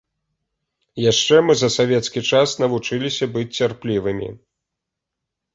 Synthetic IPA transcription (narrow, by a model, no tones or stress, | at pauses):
jaʂt͡ʂɛmɨzɐsavʲɛt̪skʲit͡ʂasnɐvut͡ʂɨlʲisʲɐbɨt͡sʲt͡sːʲarplʲivɨmʲḭ